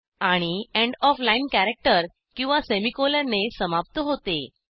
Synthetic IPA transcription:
aɽ̃iɛ̃ɳɖɔflainkæɾek̚ʈəɾ | kĩw̃ʋasemikoləɾnesəmap̚t̪əɦot̪e

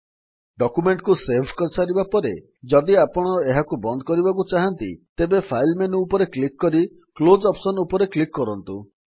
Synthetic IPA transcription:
ɖɔkumeɳʈkuseɾbʰʱkɔɾsaɾibapɔɾe | d͡ʒɔd̪iapɔɽ̃ɔeɦakubɔnd̪ɔkɔɾibak̬ut͡ʃaɦant̪ḭt̪ebepʰajlmenuːpɔɾeklikːɔɾi | klod͡ʒɔpsɔnupɔɾeklikːɔɾɔnt̪u

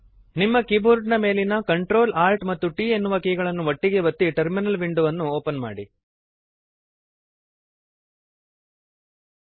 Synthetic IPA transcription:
nimːɐkibuɾɖnɐme̞ːlinɐkɐɳʈɾo̞ːlaːɾʈmɐt̪ːuʈiːe̞nːuʋɐkiːɡɐɭɐnːuʋɐʈːiɡe̞ʋɐt̪ːiʈɐɾminɐlʋiɳɖuʋɐnːuoːpɐnma̰ːɽi

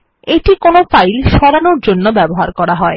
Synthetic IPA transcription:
eʈikonosajlʃɔɾanoɾd͡ʑonːobɛboɦaɾkɔɾaɦɔe

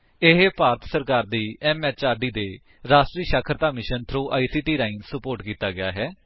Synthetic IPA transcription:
ɪɦpaːɾət̪səɾkaːɾd̪iːɛːmɛːt͡ʃaːɾɖiːd̪eː | ɾaːsʈɾiːʃaːkʰəɾt̪aːmɪʃənt̪ʰɾoːʔa̰ːiːsiːʈiːɾaːĩːnsəpoːɾʈkiːt̪aːɡɪja̰ːɦɛː

